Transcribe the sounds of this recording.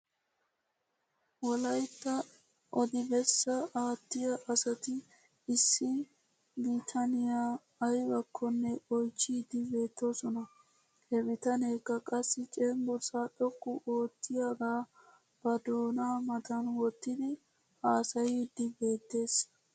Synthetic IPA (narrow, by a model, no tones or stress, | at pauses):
wɔlɐjt̪ːɐ | ʔɔd̪ɪbɛsːɐʔaːt̪ːɪjɐʔɐsɐt̪ɪ | ɪsːɪ | biːt̪ʰɐnɪjaː | jbɐkʰːɔnːɛɔjt͡ʃːiːd̪ɪbe̞ːt̪ːosɔnɐ | hɛbɪt̪ɐneːkːɐkʼɐsːɪt͡ʃʼɛːŋɡɔɾsaɗɔkːʊʔo̞ːt̪ːɪjaɡaː | b̥ɐd̪o̞ːnaːmɐt̪ɐnwɔt̪ːɪd̪ɪ | aːsɐjiːd̪ːɪbe̞ːt̪ːe̞ːs